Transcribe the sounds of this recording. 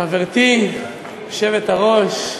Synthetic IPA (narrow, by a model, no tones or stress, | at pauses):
aveʁt̪i | oʃevet̪aʁo̞ʃ